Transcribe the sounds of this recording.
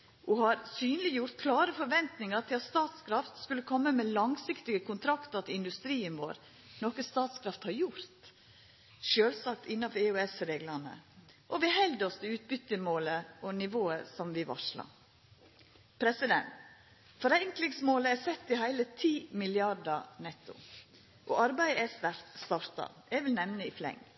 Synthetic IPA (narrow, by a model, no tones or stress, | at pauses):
ʔuhɑɾsyːnlɪjʊɾt̪kʰlɑːɾəfɔɾʋɛnt̪nɪŋəɾt̪ʰɪlɑt̪st̪ɑːt̪skʰɾɑft̪skʉlːəkʰɔmːəmelɑŋsɪkt̪ɪɡəkʊnt̪ʰɾɑkt̪əɾt̪ʰɪɪnd̪ʉst̪ɾiːənʋo̰ːɾ | nɔkəst̪ɑːt̪skʰɾɑft̪hɑɾjʊɾt̪ | ʃøːlsɑk̚t̪ɪnːɑfɔɾɛʉɛsɾeːɡlɑnə̰ʔɔʋɪɦɛld̪ɔst̪ʰɪʉːt̪̚bʏt̪ːəmoːləʔɔnɪʋoːəsɔmʋɪʋɑ̰ʂlɑ̰ | pʰɾɛsɪd̪ɛ̰nt̪ | fɔɾæɪŋklɪŋsmoːləæsɛt̪ːɪhæɪlət̪ʰiːmɪlɪɑɖənɛt̪ːʊ̰ | ʔɔʔɑɾbæɪəæst̪æɾt̪st̪ɑɾt̪ɑ̰ɛɡʋɪlnɛʋnəɪflɛ̰ŋː